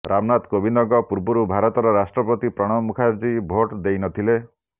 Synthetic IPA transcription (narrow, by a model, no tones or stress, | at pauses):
ɾʔamnat̪kobind̪ɔɡɔpuɾbɔɾubʱaɾɔt̪ɔɾɔɾasʈɾɔpɔt̪ipɾɔɽ̃ɔmukʰaɾd͡ʒibʱoʈd̪ejnɔt̪ʰile